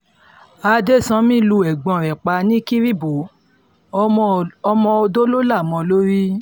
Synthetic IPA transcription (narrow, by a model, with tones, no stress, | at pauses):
a˧de˦˨sã˨˦mĩ˦˨lu˧˨ɛ˨ɡ͡bɔ̃˨ɾɛ˨k͡pa˧nĩ˦ki˦ɾi˦˨bo˨˦ | ɔ˧mɔ̃˧o˧do˦lo˦la˦˨mɔ̃˨˧lo˦ɾi˦